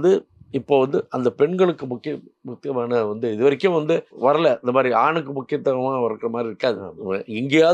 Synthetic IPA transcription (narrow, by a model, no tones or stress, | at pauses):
d̪ɯ | ɪpːoːʋɐnd̪ɯʔɐnd̪ɐpɛɳɡɐɭɯkːɯmʊkːɪjɐmʊkːɪjɐmaːnɐʋɐnd̪ɯɪðɯʋɐɾɪkːʊ̃ʋɐnd̪ɯʋɐɾɐlɛɪnd̪ɐmaːd̪ɾiaːɳɯkːɯmʊkːɪjɐt̪ːɐɣɐmãːʋɐɾɐkːɪɾɐmaːd̪ɾiɪɾɯkːaːðɯɐɪŋɡɐjaː